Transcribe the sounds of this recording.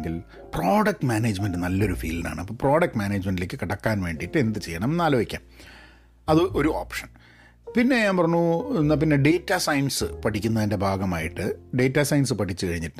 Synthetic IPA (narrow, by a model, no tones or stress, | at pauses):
ŋɡil | pro̞ːɖɐk̚ʈmʲaːneːd͡ʑmendɨnɐlːɐo̞ɾufḭːlina̰ːɳɨɐpːoːpro̞ːɖɐk̚ʈmaːneːd͡ʑmeɳɖilekːɨkiɽɐkːaːnʋe̞ːɳɖijʈːɨe̞nd̪ɨt͡ɕe̞jːɐɳɐmnaːlɐʋikʲːa̰ːm | ɐðɨʔo̞ɾuoːpʂɐn | pinːe̞ɲaːmpɐrɐɲːunːɐp̬inːe̞ɖe̞ːtːasɐjnsɨpɐʈʰikʲːunːɐðinde̞bʱaːɡɐmaːjiʈːɨɖe̞ːtːasɐjnsɨpɐʈʰit͡ɕːɨkɐɻiɲːiʈː